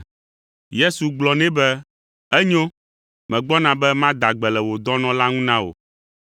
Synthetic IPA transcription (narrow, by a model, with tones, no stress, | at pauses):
je˦su˨ɡ͡blɔ˨nɛ̃˦bɛ˦ | ɛ˦ɲo˦ | mɛ̃˨ɡ͡bɔ˦nã˨bɛ˦mã˦d̪a˨ɡ͡bɛ˨lɛ˨wo˨d̪ɔ˦nɔ̃˨˦la˦ŋũ˦nã˦wo̰˨